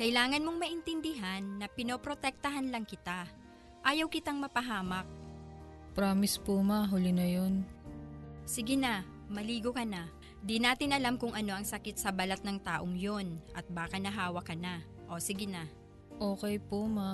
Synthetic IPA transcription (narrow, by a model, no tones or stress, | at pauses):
kɐʔɪlaːŋɐnmo̞ŋmɐʔɪnt̪ɪnd̪ɪɦanːɐpɪnopɾot̪ɛk̚t̪ɐɦanlɐŋkɪt̪a | ʔaːjɐwkɪt̪aŋmɐpɐɦaːmɐk̚ | pɾamɪspomaɦʊlɪnɐjon | sɪɡɪna | mɐliːɡokɐna | d̪inaːt̪ɪnʔɐlamkʊŋʔɐno̞ʔɐŋsɐkɪt̪sɐbɐlat̪̚nɐŋt̪aːʔoŋjo̞nʔɐt̪̚baːkɐnɐɦaːwɐkɐna | ʔo̞sɪɡɪna | ʔoːkɛjpoma